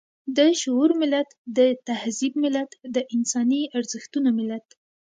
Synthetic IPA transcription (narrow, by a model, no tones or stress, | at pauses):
d̪əʃoːɾmɪlat̪d̪ət̪ahzibmɪlat̪d̪əʔɪnsɑniaɾzəxt̪unomɪlat̪